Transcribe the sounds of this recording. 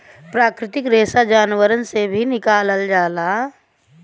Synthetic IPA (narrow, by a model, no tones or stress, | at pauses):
pɾaːkɾɪt̪ɪkɾeːsad͡ʒaːnwəɾənsebʱinɪkaːləld͡ʒaːlaː